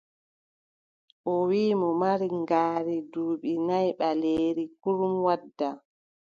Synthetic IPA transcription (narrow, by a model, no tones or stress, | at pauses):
ʔɔwiːmɔmaɾiŋɡaːɾiduːɓinajɓaleːɾikuɾumwadːa